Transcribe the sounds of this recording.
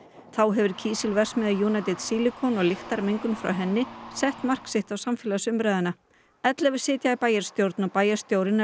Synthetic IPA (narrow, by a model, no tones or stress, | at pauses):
θawɦɛvʏɾ̥cʰiːsɪlvɛr̥smɛðɪjuːnat̪ɪt̪siːlɪkʰɔnɔɣlɪxt̪aɾmeŋkʏnfɾa̰wɦɛnːɪsɛht̪mar̥ksɪht̪awsamfɪːlasʏmɾaːjðɪna | ɛt̪lɛvʏ̥sɪːt̪jaːpaːjɛɾ̥st̪jowɾt̪napaːjɛ̥st̪jowɾɪn